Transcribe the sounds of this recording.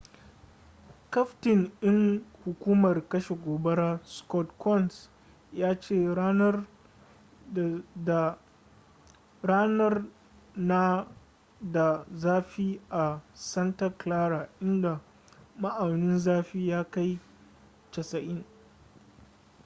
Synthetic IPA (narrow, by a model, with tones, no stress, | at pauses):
kɐ˦ɸtɪ˨ŋʔɪ˦ŋhʊ˨kʷuː˦mɐ˨rkɐ˦ʃe˨ɡʷoː˨bɐ˦ɽaː˦skɔ˦tkʰɔ˦˨ns | jaː˦t͡ʃeː˦˨˦ | ɽaː˦nɐ˦r | na˦ | da˨zaː˦ɸiː˦ʔa˨sɐ˦ntɐ˦klaː˦ɾaː˨ʔɪ˦nda˨ | ma˦ʔa˨nɪ˦nzaː˦ɸiː˦jaː˦ka˦j | t͡ʃɐ˨sɐ˨ʔɪ˦ŋ